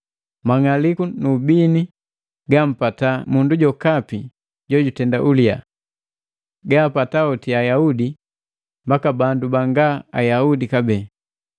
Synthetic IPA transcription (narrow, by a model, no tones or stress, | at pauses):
maŋalikunuːbini | ɡam̩patamunduɟɔkapi | ɟɔɟutɛndaʔulia̰ | ɡaːpataɔtiajaudi | mbakabandubaŋɡaajaudikabɛː